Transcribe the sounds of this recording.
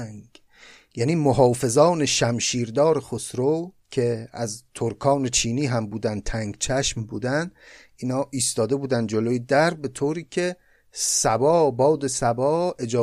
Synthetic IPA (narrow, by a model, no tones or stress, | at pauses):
ŋɡ | jæniːmoɦɒːfe̞zɒːne̞ʃæmʃiːɾd̪ɒːɾexosɾo | cʰe̞æzt̪ʰoɾkʰɒːne̞t͡ʃʰiːniːɦæmbuːd̪ænd̪̚t̪ʰæŋɡt͡ʃʰæʃmbuːd̪ænd̪ | ʔiːnɒːʔiːst̪ɒːd̪e̞buːd̪ænd̪̚d͡ʒoloːjed̪æɾbe̞t̪ʰoːɾiːcʰe̞ | sæbɒːbɒːd̪e̞sæbɒːe̞d͡ʒɒː